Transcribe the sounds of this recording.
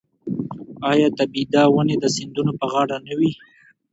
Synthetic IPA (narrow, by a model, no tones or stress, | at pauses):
ɑjɑt̪abid̪ɑwəned̪əsɪnd̪unopəɣɑɽanawi